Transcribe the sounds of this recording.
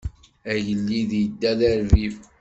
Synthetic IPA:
æʝəlːiðjəd̪ːæðæɾvif

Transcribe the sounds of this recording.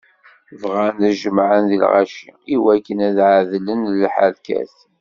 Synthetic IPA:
vʁænæʒəmʕənðḭlʁa̰ʃḭiwækːənæðʕaðlənlħaɾkæ̰θ

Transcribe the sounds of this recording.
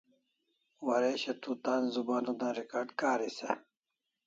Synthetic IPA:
wɐɾeɕet̪ut̪aːnzubaːnud̪ãɾikaːɾɖkaːɾisḛ

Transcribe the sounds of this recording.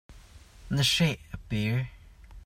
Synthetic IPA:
nəʃeʔəb̥iɹ

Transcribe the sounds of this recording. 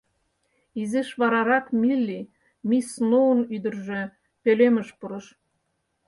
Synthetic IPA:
izeʃβɑɾɑɾɑkmilʲːi | misnoənyd̪ə̆rʒø | peleməʃpuɾə̆ʃ

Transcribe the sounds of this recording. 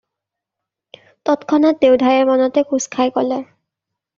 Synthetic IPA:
tɔtkʰɔnɔt̚dewdʱajɛɹmɔnɔtɛkuskʰajkɔlɛ

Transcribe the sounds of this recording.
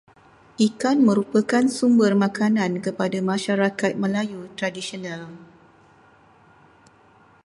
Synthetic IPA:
ʔikanmə̃ɾupəkansumbərmãkanãnkəpadamãʃaɾakat̪̚mə̃lajut̪ɾadisionãl

